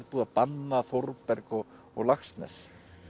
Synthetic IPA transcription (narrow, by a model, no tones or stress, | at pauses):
ɾpuːðapanːaθoɾpɛɾkɔɣ | ɔɣlaxst̪nɛ̰s